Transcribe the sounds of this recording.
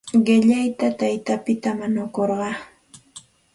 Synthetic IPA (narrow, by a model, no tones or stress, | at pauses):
ɢɪʎajt̪at̪ajt̪apɪt̪amanʊkoɾɢɑ